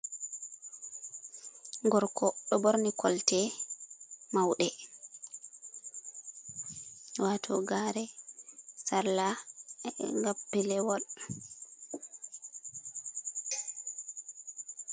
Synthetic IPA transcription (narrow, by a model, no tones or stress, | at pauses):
ŋɡɔɾkʰɔɗɔbɔɾnikʰɔltɛ | mawɗɛ | waːtʰɔ̰ɡaːɾɛ | saɾla | ŋɡapːilɛwɔl